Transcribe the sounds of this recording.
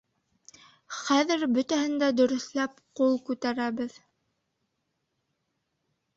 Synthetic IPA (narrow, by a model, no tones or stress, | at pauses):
χæðɘɾbɵ̆t̪æhɘ̆nd̪æd̪ɵ̆ɾɵ̆θlæpqulˠkʉt̪æɾæβɘð